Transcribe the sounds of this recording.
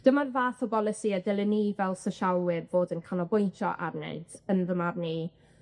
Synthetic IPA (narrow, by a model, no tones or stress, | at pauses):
d̥əmarvaːθɔbɔlˠɪsiadɛlˠəniːvɛlˠsəʃawɪrvoːdənkʰanɔbʊjntʰɔ̰ʔa̰rnɛ̰ɨd̥ənðəmarniː